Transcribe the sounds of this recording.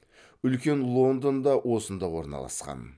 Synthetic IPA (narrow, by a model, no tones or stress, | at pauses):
ʏlkʲe̞nlˠo̞nd̪ond̪ɑwʔo̞sənd̪ɑwo̞ɾnɑ̰lˠɑ̰sqɑ̰n